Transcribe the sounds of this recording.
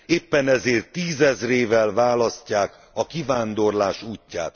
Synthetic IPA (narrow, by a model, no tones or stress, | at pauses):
eːpːɛnɛzeːrt̪ːiːzɛzreːvɛlvaːlɒscːaːk | ɒkivaːnd̪o̞rlaːʃuːcːa̰ːt̪